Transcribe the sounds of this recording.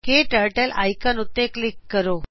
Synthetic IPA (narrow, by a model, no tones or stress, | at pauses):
keʈəɾʈəlʔa̰jkənut̪ːeklikːəɾo